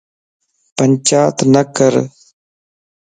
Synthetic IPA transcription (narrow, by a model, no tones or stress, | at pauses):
pəɲt͡ʃaːt̪nəkəɾ